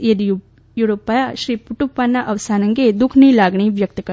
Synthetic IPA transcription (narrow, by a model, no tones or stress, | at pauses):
ed̪iju | juɽopajɐʃɾiːpuʈupːanːɐʔɐʋsaːnɐŋɡed̪ukʰniːlaːɡɳiʋjɐk̚t̪ɐkɐ